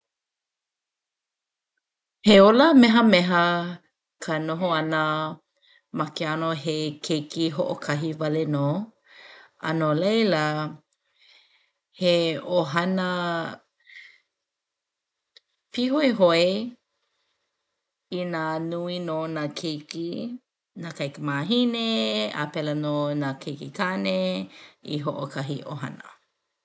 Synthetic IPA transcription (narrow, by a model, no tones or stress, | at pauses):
heoləmɛɦəmɛɦə | kʰənoɦoɐnə | mɐkeanoɦekʰejkʰiɦoʔokʰɐɦivɐleno | ɐ̰nolejlə | heoɦɐnə | piɦoeɦoe | inanuinoːnakʰejki | nakɐjkəmaːɦinea̰pɛlɐnoːnakʰejkikʰane | ḭɦoʔokʰɐɦiʔoɦɐnə̰